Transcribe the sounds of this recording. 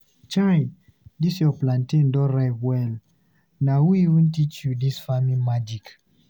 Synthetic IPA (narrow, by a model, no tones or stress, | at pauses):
t͡ʃaj | disjɔplãntĩndɔɹaɪtwɛl | nahujiwĩntit͡ʃjudisfamĩmad͡ʒik